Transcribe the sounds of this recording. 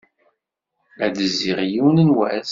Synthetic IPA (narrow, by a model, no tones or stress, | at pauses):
æd̪əzːiʁjiwnənwæs